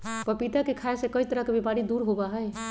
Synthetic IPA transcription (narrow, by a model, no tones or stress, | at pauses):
pəpit̪akekʰaesẽkəit̪əɾəɦkebepaɾid̪uɾɦobaɦəj